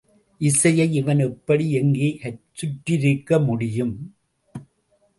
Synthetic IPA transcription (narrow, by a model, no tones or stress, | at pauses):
ʔɪsɐjɐɪɪʋɐnɛpːɐɽiɛŋɡeːʔɐɾt͡ʃʊʈːɪɾɪkːɐmʊɽɪjɯm